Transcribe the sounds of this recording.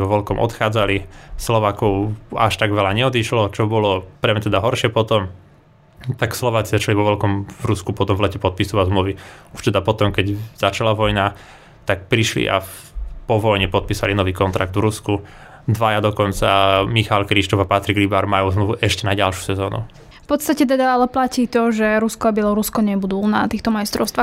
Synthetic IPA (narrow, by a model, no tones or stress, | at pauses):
ʋɔʋɔlkɔmʔɔ̰t̪xaːd͡zalislɔʋaːkɔʊa̰ʃt̪aɡʋɛlaɲɛɔd̪iʃlɔt͡ʃɔbɔlɔpɾɛmɲɛt̪ɛd̪aɦɔɾʃɪɛpɔt̪ɔm | t̪akslɔʋaːt͡sizat͡ʃaliʋɔʋɔlkɔmvɾuskupɔt̪ɔmvlɛcɛpɔt̪̚pisuʋazmluʋiuʃt̪ɛd̪apɔt̪ɔmkɛɟz̥at͡ʃalaʋɔjna | t̪ak̚pɾiʃlḭʔa̰ | pɔʋɔjɲɛpɔt̪̚piːsa̰linɔʋiːkɔnt̪ɾaɡ̚d̪vɾusku | d̪ʋajad̪ɔkɔnt͡samixalkɾiʃt̪ɔvapat̪ɾiɡlibaɾmajuːzmluʋuʔɛʃcɛnaɟalʃju̥sɛzɔːnṵ | fpɔt̪st̪acɛt̪ɛd̪aalɛplaciːt̪ɔʒɛɾuskɔabɪɛlɔɾuskɔɲɛbud̪uːlna̰ːt̪iːxt̪ɔmajst̪ɾɔʊst̪ʋaːx